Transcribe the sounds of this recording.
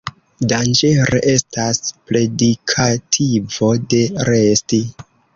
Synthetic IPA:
dand͡ʒe̞ɾeʔe̞staspɾe̞dikʰatʰivo̞de̞ɾe̞sti

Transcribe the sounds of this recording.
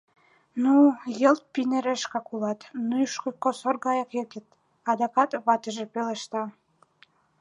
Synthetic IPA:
nujelt̪̚pinĕɾeʃkɑkulɑt̪nujʃkokosorɡɑjɑkek̪ʲə̆t̪ | ɑd̪ɑkɑt̪βɑt̪əʒĕpelĕʃt̪ɑ

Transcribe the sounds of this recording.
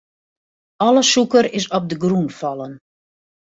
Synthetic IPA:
ɔləsukəɾɪsɔp̚dəɡrunfɔlˠən

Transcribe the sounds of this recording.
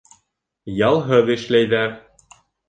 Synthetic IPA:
jɑlˠɦɤðɘ̆ʃlæjðæɾ

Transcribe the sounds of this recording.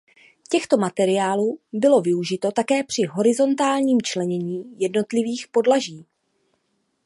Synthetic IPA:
cɛxt̪o̞mat̪ɛɾɪjaːluːbɪlo̞vɪuʒɪt̪o̞t̪akɛːpr̝̥ɪɦo̞ɾɪzo̞nt̪aːlɲiːmt͡ʃlɛɲɛɲiːjɛdno̞t̪lɪviːxpo̞dlaʒiː

